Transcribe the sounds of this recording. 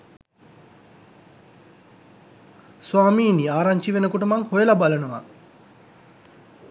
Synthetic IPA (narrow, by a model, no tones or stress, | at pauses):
swaːmiːniaːɾaɲt͡ʃiʋenəkuʈəmaŋhojɐlabalənəʋa̰